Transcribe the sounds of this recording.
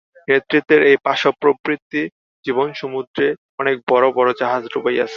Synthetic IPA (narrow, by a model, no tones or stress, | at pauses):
net̪ːɾit̪ːeɾejpaʃopːɾobɾit̪ːi | d͡ʑibonʃumud̪ɾe | ɔnek̚bɔɾobɔɾod͡ʑaɦad͡ʑɾubaja̰t͡ɕʰe̥